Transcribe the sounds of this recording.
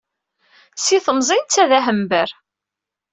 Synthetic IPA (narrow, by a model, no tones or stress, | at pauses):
siθəmzˤint͡sːæðæɦəmbəɾ